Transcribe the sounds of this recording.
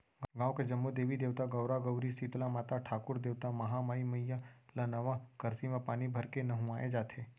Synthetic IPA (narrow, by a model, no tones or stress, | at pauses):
ɡãːʋked͡ʒəmːud̪eːʋid̪eːʋt̪aɡəwɾaɡəʊɾisit̪lamaːt̪aʈʰaːkʊɾd̪eːʋt̪amɐɦamaːiməjːalanɐʋakəɾsimãpaːnibʱəɾkenɐɦʊ̃aːjed͡ʒaːt̪ʰe